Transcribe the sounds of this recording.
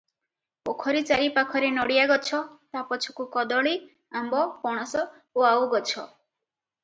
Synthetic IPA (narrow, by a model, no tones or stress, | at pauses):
pokʰɔɾit͡ʃaɾipakʰɔɾenɔɽijaɡɔt͡ʃʰɔt̪apɔt͡ʃʰɔ̥kukɔd̪ɔɭi | ambɔpɔɽ̃ɔsɔ | oawɡɔt͡ʃʰɔ